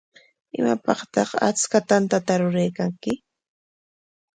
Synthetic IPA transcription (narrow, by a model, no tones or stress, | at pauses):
ɪ̰mapɑχt̪ɑχa̰t͡skat̪ant̪at̪aɾʊɾajkaŋkɪ